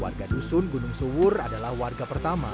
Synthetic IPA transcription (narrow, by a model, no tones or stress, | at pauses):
wa̰rɡadusʊnɡunʊŋsuwʊradalahwarɡapərt̪ama̰